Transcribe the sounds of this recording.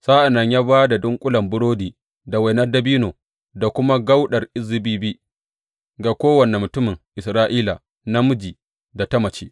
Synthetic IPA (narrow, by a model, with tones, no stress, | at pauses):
saː˦ʔa˨nɐ˨ɲjaː˦βaː˦da˨dʊ˦ŋkʷʼʊ˦lɐ˨mbʊ˦ɽoː˦diː˨ | da˨wa˨jnɐ˦rda˨biː˦noː˨ | da˨kʷʊ˦ma˦ɡa˦wɗɐ˨rʔɪ˦zːɪ˨biː˦bi˦ | ɡa˨kʷoː˦wɐ˨nɛ˨mʊ˨tʊ˦mɪ˨ŋʔɪ˨sɾaː˦ʔiː˦la˨ | na˦mʊ˦d͡ʒiː˨ | da˨ta˦mɐ˨t͡ʃe̥ː˦ʔ